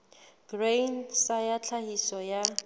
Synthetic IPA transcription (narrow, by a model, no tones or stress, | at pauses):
ɡ̥rensajat͡ɬʰahisɔja